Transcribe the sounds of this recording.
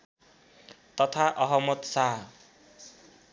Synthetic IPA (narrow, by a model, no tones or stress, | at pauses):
t̪ʌt̪ʰaʔʌɦʌmʌt̪saɦ